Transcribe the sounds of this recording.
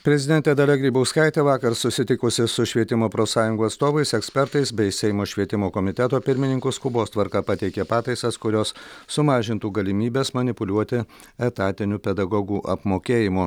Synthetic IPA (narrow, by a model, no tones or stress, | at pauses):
pʲɾʲɛzʲɪd̪ʲɛnʲt̪ʲed̪ɐlʲɛɡʲɾʲiːbɐʊskɐɪt̪ʲeːʋɑːkɐɾsʊsʲɪt̪ʲɪkʊsʲɪsʊʃʲʋʲiɛt̪ʲɪmoːpɾoːsɑːjʊŋɡuɐt̪st̪oːʋɐɪsɛksʲpʲɛɾt̪ɐɪsbʲɛɪsʲɛɪmoːʃʲʋʲiɛt̪ʲɪmoːkɔmʲɪt̪ʲɛt̪oːpʲɪɾʲmʲɪnʲɪŋkʊskʊboːst̪ʋɐɾkɑpɐt̪ʲɛɪkʲepɑːt̪ɐɪsɐskʊɾʲoːssʊmɑːʒʲɪnt̪uːɡɐlʲɪmʲiːbʲeːsmɐnʲɪpʊlʲuɔt̪ʲɪ | ɛt̪ɑːt̪ʲɪnʲuːpʲɛd̪ɐɡoːɡuːʔɐpmoːkʲeːjɪmo